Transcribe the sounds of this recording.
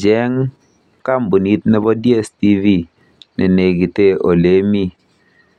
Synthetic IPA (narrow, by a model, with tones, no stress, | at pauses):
d͡ʒɛ˦ŋ | ka˦˨m˨bu˨ni˦t̚ne˦bɔ˦dje˦˨sti˦vi˦˨ | nḛ˨ne˨ɡi˨te˦o̰˨le˨˦mi˦˨